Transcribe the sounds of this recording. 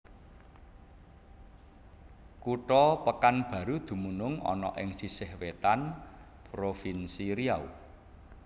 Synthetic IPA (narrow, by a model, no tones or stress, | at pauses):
kuʈɔpəkanb̥ä̤ɾud̪̥ṳmunʊŋɔ̰nɔ̰ʔɪŋsisɪhwet̪an | pɾofinsiɾiaṵ